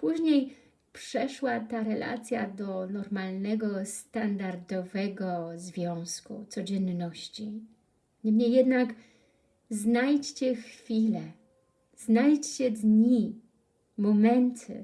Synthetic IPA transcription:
puʑɲej | pʂɛʂwat̪aɾɛlʔa̰t̪sʲja̰d̪ɔnɔɾmalnɛɡɔst̪and̪aɾd̪ɔvɛɡɔzvʲjɔ̃w̃skṵt̪sɔd͡ʑɛnːɔɕt͡ɕi | ɲɛmɲejːɛd̪nak | znajt͡ɕt͡ɕɛxfʲilɛ | z̥najt͡ɕt͡ɕɛd̪ɲi | mɔmɛnt̪ʰɘ̰

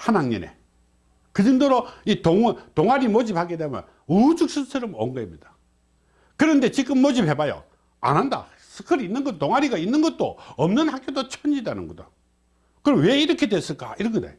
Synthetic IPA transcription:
hanaŋɲinḛ | kɯd͡ʑindoɾoitoŋtoŋaɾimod͡ʑip̚haɡidemjʌ̰n | ud͡ʑuk̚s͈ʰɯsʰɯɾʌmo̰ŋɡʌimɲida | kɯɾʌnde̞t͡ɕik͈ɯmːod͡ʑip̚he̞bajo̰ | a̰nɦanda̰ | sʰɯkʰɯɾiinːɯnɡʌntoŋɦaɾiɡainːɯnɡʌt̚t͈o̰ʌmnɯnhak͈jodot͡ɕʰʌɲidanɯ̰nɡʌdo | kɯɾʌmwe̞iɾʌkʰe̞dwes͈ɯɭk͈a̰iɾʌkʰena̰jo

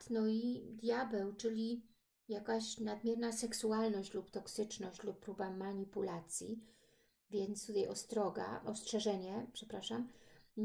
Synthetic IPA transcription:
t̪nɔid̪jabɛwt͡ʂɘlʲi | jakaɕnad̪mʲjɛɾnasɛksualnɔɕt͡ɕlupt̪ɔksɘt͡ʂnɔɕt͡ɕlupːɾubamaɲipulat̪sʲjḭ | vʲjɛnt̪st̪ut̪ajɔst̪ɾɔɡa̰ʔɔstʂɛʐɛɲɛpʂɛpɾaʂam

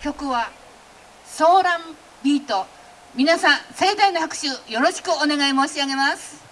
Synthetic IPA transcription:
kʲo̞kɯ̟βa | so̞ːɾãm | bʲiːt̪o̞ | mʲinasãse̞ːd̪ainohakɯ̟̥ɕɨːjo̞ɾo̞ɕi̥kɯone̞ɡaimo̞ːɕiaɡe̞masɨ̥

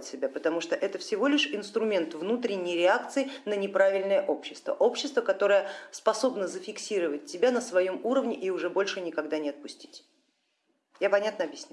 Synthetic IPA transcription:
tʲsʲɪbʲapət̪ɐmuʂt̪oʔɛt̪əfsʲɪvo̞lʲɪʂɪnst̪ɾʊmʲe̞nt̪vnut̪ɾʲɪnʲːɪjɾʲɪakt̪sɨɪnənʲɪpɾavʲɪlʲnəjəʔo̞pɕːɪ̥st̪və̰ʔo̞pɕːɪst̪vəkɐt̪o̞ɾəjəspɐso̞bnəzəfʲɪksʲiɾəvət̚ʲtʲːɪbʲanəsvɐjo̞muɾəvnʲɪʔɪʊʐɛbo̞lʲʂɨnʲɪkɐɡd̪anʲɪɐt̪̚pʊsʲtʲi̥tʲ | japɐnʲat̪nəɐbjɪsʲnʲ

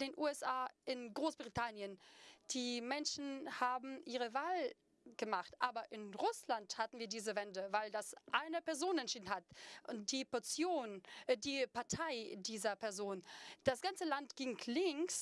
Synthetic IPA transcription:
d̥eːnʔuːɛsʔaːʔɪnɡʁoːsb̥ʁitʰanjənd̥iːmɛnʃn̩haːbm̩ʔiːʁ̞əvaːl | ɡ̥əmaχtʔaːbɐʔɪnʁʊslanthatn̩viːɐdiːzəvɛndəvaɪldasʔaɪnəpɛɐzoːnɛntʃiːdn̩hatʔd̥iːpɔɐt͡sjoːndiːpaɐtʰaɪdiːzɐpʰɛɐzoːnd̥asɡ̥ant͡səlantɡ̥ɪŋlɪŋks

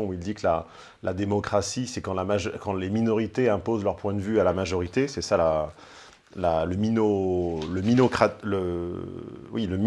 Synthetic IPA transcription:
ɔ̃uild̪ikəla̰ | lʔad̪emɔkχasisɛkɑ̃lamaʒkɑ̃leminɔʁit̪eɛ̃pozlœʁpwɛ̃d̪əvyalamaʒɔʁit̪esɛsala | laləminoləminokχalə | wiləm

